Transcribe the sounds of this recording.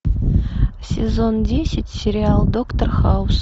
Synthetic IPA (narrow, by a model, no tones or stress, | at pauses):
sʲezondʲesʲɪtʲsʲɪɾʲɪalˠd̪okt̪orχɑʊs